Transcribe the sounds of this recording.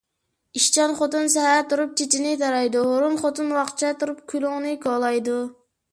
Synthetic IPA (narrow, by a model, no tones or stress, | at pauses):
iʃt͡ʃɑnχot̪ɨnsɛhæt̪uɾup̚t͡ʃʰet͡ʃʰinɪt̪ɑɾɑjd̪uɦoɾunχot̪ɨnwɑχt͡ʃʰɛt̪uɾup̚kʲʰylˠʊŋnɨkɑlˠɑjd̪u